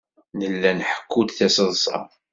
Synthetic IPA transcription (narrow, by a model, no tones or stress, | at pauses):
nəlːænħə̥kʰːud̪θæsəðˤsˤɑ̰